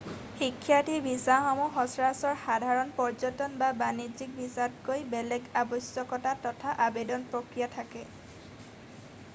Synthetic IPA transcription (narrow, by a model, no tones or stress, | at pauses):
xikʰːjatibʱisaxɔmuxɔsɹasɔɹxadʱaɹɔnpɔɹd͡ʒɔtɔnbabanid͡ʒik̚bʱisat̚kojbɛlɛɡabɔsjɔkɔtatɔtʰaʔabedɔnpɹokɹijatʰakɛ